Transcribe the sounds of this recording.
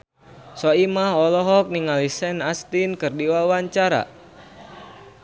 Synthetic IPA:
sɔimaɦɔlɔɦɔk̚niŋalisɛnast̪inkɨrdiwawaɲt͡ʃaɾa̰

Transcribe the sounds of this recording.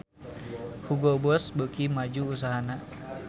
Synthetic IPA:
huɡɔbɔsbəkimad͡ʒuːs̬aɦana

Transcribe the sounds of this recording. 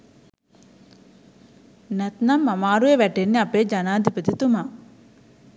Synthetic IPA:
nɛt̪namːamaːɾueʋɛʈenːeapeːd͡ʒanaːd̪ʱipət̪it̪uma

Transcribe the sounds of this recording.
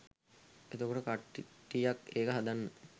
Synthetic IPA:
et̪okoʈəkaʈːiʈːijakeːkəɦad̪anːə

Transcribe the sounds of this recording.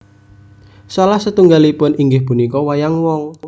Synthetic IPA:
sɔlahsət̪uŋɡalipʊniŋɡɪhpunikɔwajaŋwɔŋ

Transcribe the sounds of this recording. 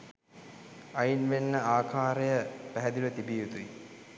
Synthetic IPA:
ɐjinʋenːəaːkʰaːɾəjəpæɦæd̪iʋət̪ibiːut̪ui

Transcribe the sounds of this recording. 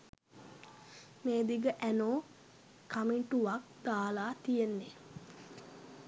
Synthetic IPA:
meːd̪iɡəʔænoː | kamiɳʈuʋak̚d̪aːlaːt̪ijenːe

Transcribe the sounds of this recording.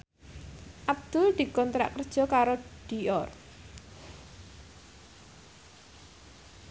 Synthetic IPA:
ʔab̚d̪̥ʊld̪̥i̤kɔnt̪ɾa̰ʔkərd̥ʒ̥ɔ̤kaɾod̪̥i̤ɔr

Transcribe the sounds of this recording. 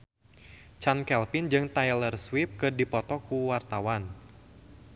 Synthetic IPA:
t͡ʃankɛlpɪnd͡ʒɨŋt̪ajlərswip̚kɨrdipɔt̪ɔkuwart̪awan

